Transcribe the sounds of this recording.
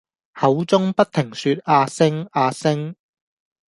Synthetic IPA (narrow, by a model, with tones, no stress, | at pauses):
hɐ˨˥wt͡sʊ˥ŋpɐ˥t̚t̪ʰːɪ˨˩ŋsyː˧t̚aː˧sɪ˥ŋaː˧sɪ˥ŋ